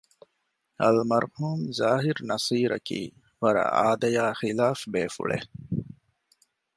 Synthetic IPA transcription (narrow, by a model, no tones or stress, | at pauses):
ɐlmɐɾhuːmzaːɦiɾnɐsiːɾɐ̰kḭː | ʋɐɾɐ̰ʔa̰ːd̪ɐjaːxilaːfbeːfṵɭḛ